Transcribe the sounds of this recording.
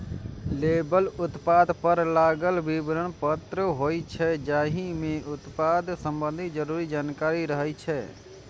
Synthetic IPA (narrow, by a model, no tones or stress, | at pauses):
lebəlʊt̪paːd̪ʱpəɾlaːɡəlbibɾənpət̪ɾəɦoːjt͡ʃʰɛd͡ʒaːɦimẽʔʊt̪pad̪ʱsəmbə̃nd̪ʱid͡ʒəɾuːɾid͡ʒaːnkaːɾiɾəɦət͡ʃʰɛ